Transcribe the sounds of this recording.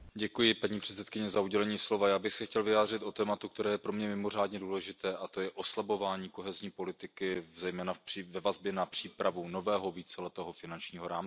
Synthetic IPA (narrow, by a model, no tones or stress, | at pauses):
ɟɛkujɪpaɲiːpr̝̥ɛt̪sɛt̪kɪɲɛzauɟɛlɛɲiːslo̞vajaːbɪxsɛxcɛlvɪjaːd̪r̝ɪt̪ʔo̞t̪ɛːmat̪uk̚t̪ɛɾɛːjɛpɾo̞mɲɛmɪmo̞r̝aːdɲɛduːlɛʒɪt̪ɛːʔat̪o̞jɛʔo̞slabo̞vaːɲiːko̞ɦɛzɲiːpo̞lɪt̪ɪkɪzɛjmɛːnḁivɛvazbjɛnapr̝̥iːpɾavuno̞vɛːɦoviːt͡sɛlɛt̪ɛːɦofɪnant͡ʃɲiːɦoɾaːm